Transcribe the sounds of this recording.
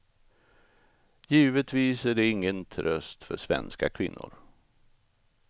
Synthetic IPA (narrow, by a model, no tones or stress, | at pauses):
jiːvət̪viːsæɖɛɪŋːənt̪ʰɾœst̪fœʂvɛ̰nskakʰvɪnːʊ̰ɾ